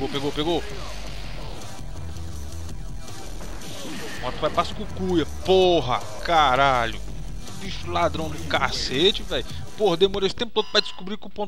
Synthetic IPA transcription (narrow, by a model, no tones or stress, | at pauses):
eɡopeɡopeɡo | mɔ̃ɾt̪vajpaskukujɐpoɦɐ̰ | kaɾaʎʊ | d̪iʃulad̪ɾɐ̃w̃d̪ɪkaset͡ʃɪvɛj | pohd̪emoɾesɪ̥t̪ẽpʊ̥t̪od̪ʊɾajd͡ʒɪ̥skubɾikɪʊpõ